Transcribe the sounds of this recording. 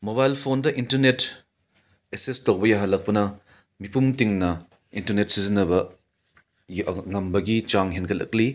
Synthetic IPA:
moβajlpʰondɐʔintɐɾnet | esestowbɐjaɦalɐk̚pɐnɐ | mipumtiŋnɐ | intɐɾnet̚sizinɐbɐ | ŋɐmbɐɡit͡ʃaŋɦenɡʰɐlɐ̰k̚li

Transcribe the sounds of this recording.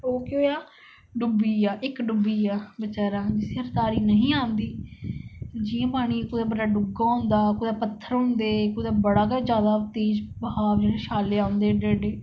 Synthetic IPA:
oːkeoːjaː | ɖʊbiːaːʔɪkɖʊbiːaːbət͡ʃaːɾaːd͡ʒɪseəɾt̪aːɾiːnəɦĩːãːnd̪iː | d͡ʒiːãːpaːɽ̃iːkʊd̪aːbəɖaːɖʊɡaːʊ̃nd̪aːkʊd̪aːpət̪ʰːəɾɦʊ̃nd̪eːkʊd̪aːbəɽaːkəd͡ʒaːd̪aːt̪eːd͡ʒbɦaːʋd͡ʒeɽeːʃaːleːãːʊnd̪eːd͡ʒeːɽeː

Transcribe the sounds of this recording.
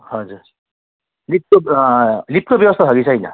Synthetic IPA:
hʌd͡zuɾ | lip̚kolip̚kobjʌbʌst̪ʰaɦʌɡisʰʌɦjnʌ̰

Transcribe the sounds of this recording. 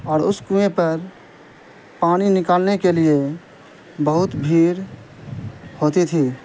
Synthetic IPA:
ɔːɾʊskũẽpəɾ | paːñinɪkaːlnekelie | bəɦʊt̪bʱiːɾ | hoːt̪it̪ʰi

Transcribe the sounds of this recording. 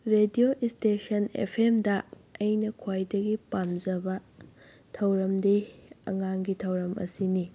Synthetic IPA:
ɾedioʔistesɐnḛpʰemdɐɐjnɐkʰwajdɐɡipamzɐbɐ | tʰɐwɾɐmdeɐ̰ŋaŋɡitʰɐwɾɐmɐ̰sini

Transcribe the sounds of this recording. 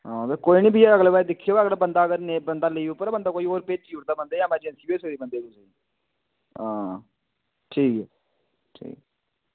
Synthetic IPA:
ɦãːt̪ekoːinĩːbʱiːeəɡlebaːed̪ɪkʰːijoːəɡlːbənd̪aːəɡəɾnebənd̪aːləiːpːəɾabənd̪aːkoːiːoːɾpeːd͡ʒt͡ʃiːɾt̪aːbənd̪eːjãmɛ̃ːd͡ʒɛnsiːbeːsəkɾiːbənd̪eːd̪uːsəi | ãː | ʈʰiːkɛː | ʈʰḭːk

